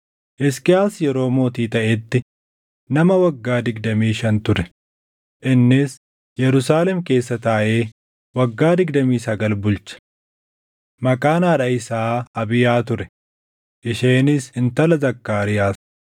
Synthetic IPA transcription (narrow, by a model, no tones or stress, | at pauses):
ʔɛskɪjaːsjɛɾo̞ːmo̞ːt̪iːt̪ɐʔɛt̪ːɪ | nɐmɐwɐɡːaːd̪ɪɡd̪ɐmiːʃɐnt̪ʊɾɛ | ʔɪnːɪs | jɛɾʊsaːlɛmke̞ːsːɐt̪aːʔe̞ː | wɐɡːaːd̪ɪɡd̪ɐmiːsɐɡɐlbʊlt͡ʃɐ̥ | mɐkʼaːnaːᶑɐɪsaːɐbɪjaːt̪ʊɾɛ̥ | ʔɪʃeːnɪsɪnt̪ɐlɐzɐkːaːɾɪjaːs